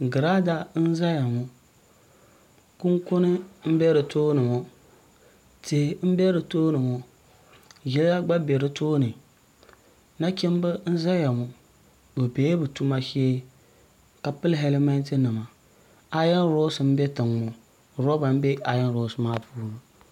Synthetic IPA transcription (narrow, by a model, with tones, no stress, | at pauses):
ɡɨ˨ɾa˦da˦n̩˦za˦ja˨ŋʊ˦ | ku˦ŋkʊ˦nɨ˦m̩˦bɛ˦ɾɨ˨toː˦nɨ˨mɔ˦ | te˨m̩˦bɛ˦ɾɨ˨toː˦nɨ˨mʊ˦ | jɛ˦lla˦ɡ͡ba˦be˨ɾɨ˦toː˦nɨ˨ | na˦kʲɛ˦m˦bɨ˦n̩˦za˦ja˨mʊ˨ | bɨ˨beː˨˦bɨ˨tu˦ma˦ʃi˦ | ka˨pɨ˦lɦɛ˦lɪ˦ma˦n˦tɨ˦nɨ˨ma˨ | a˨jɛ˦n˦ɾo˦sɨ˨m̩˦bɛ˦tɨ˨ŋːʊ˨ | ɾɔ˦ba˨m̩˦bɛ˦a˨jɛ˦nɾo˦sɨ˨maː˦puː˦ɾɨ˨